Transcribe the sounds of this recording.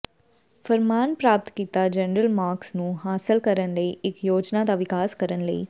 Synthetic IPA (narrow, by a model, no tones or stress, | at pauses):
fʰəɾmaːnpɾaːp̚t̪kiːt̪aːd͡ʒənɾəlmaːɾksnũːɦaːsɪlkəɾənləiːɪkjoːd͡ʒnaːd̪aʋɪkaːskəɾənləḭː